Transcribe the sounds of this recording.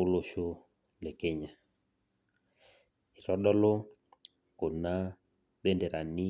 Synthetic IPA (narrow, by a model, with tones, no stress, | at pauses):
u˦lo˨ʃo˦ | lɛ˨kɛ˦ɲa˨ | i˨ɾɔ˦ɗɔ˦lɔ˦ | ko˨na˦ | ɓɛ˦ndɛ˨ɾa˨ni˦